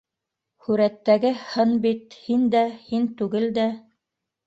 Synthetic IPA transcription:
hʉɾæt̪ːæɡɘhɤnbit̪hind̪æhint̪ʉɡɘld̪æ

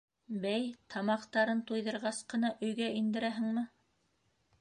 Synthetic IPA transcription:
bæjt̪ʰɑmɑqt̪ɑɾɤnt̪ujðɤ̆ɾʁɑsqɤ̆nɑʔɵ̆jɡæind̪ɘ̆ɾæɦɘ̆ŋmɘ

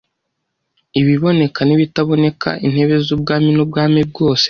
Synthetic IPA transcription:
iβiβo̞ne̞kʰaniβitaβo̞ne̞kʰa̰ʔin̥he̞βe̞zub̚ɡaːminub̚ɡaːmib̚ɡo̞ːse̥

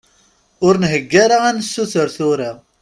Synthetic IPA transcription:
ʊɾnɦəɡːaɾaænsːuθəɾθʊɾiʁ

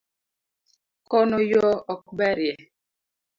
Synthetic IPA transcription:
kɔnɔjɔɔkbɛɾjɛ

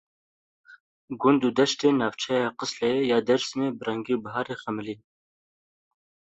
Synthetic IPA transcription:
ɡʊnd̪uːd̪ɛʃt̪eːnɑːvt͡ʃʰɛjɑːqɨslɛejɑːd̪ɛɾsmeːbɨrɛŋɡiːubɐɦɑːɾeːxɛmɨliːn

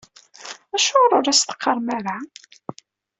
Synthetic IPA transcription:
æʃʊɾˤʊɾæst̪ə̥qːəɾˤmæɾa

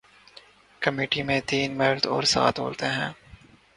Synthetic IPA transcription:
kəmeːʈimẽt̪iːnmeːlt̪ɔːɾsa̰ːt̪ɦo̰ːlt̪eɦɛ̃ː

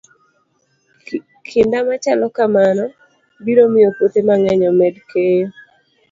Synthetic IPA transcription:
kʰɪndamat͡ʃalɔkamanɔ | biɾomɪjopot̪emaŋɛɲɔmɛdke

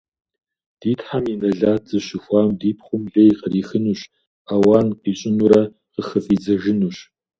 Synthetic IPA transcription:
d̥iːtħaminɐɮaːt͡sɨɕɪxʷɑːmdiːp̚ʰχʷʊmɮejiqəriːxɨnuːɕ | aːwaːnqiːɕʼɪnuːɾɐ | qəxɐfʼiːd͡zɐʒɪnuːɕ

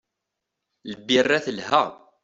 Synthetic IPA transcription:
ləbːirˤːæθəlhəʁ

